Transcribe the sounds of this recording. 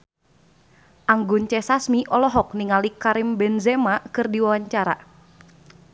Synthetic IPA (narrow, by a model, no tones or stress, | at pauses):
ʔaŋɡunt͡ʃɛsasmiʔɔlɔɦɔk̚niŋalikaɾɪmbɛnzɛmakɨrdiwawaɲt͡ʃaɾa̰